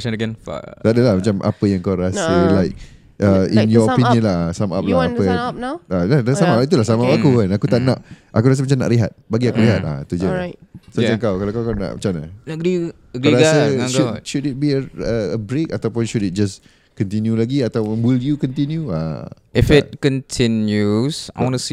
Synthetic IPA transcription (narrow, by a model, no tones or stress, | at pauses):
n̰t̪adəlahmat͡ʃamʔa̰pəjãŋkawɾasəlajk̚ | ʔaĩnjɔpĩnjə̃nlasama̰p̚laapəaladasamapit̪̬ulasamapakukanakut̪aʔnaʔʔakuɾas̬əmat͡ʃamna̰ʔliɦa̰t̪̚baɡiakuɾliɦat̪̚a̰t̪ud͡ʒəsod͡ʒakawkalakawkana̰ʔmat͡ʃamnaɡi | ɾasəʃuʃudit̪̚biəəəbɾekat̪awpʊnʃudit̪̚d͡ʒas | kɔ̃nt̪̬injulaɡiat̪awʊnwiljukɔ̃nt̪injua̰ | ɛfɛt̚kɔ̃ntʰinjusaɔns